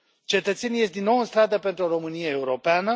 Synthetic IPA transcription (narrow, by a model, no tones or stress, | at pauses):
t͡ʃe̞t̪ət̪se̞nijest̪d̪inːo̞wɨnst̪ɾad̪əpe̞nt̪ɾuoɾo̞mɨnijeeuɾo̞peanə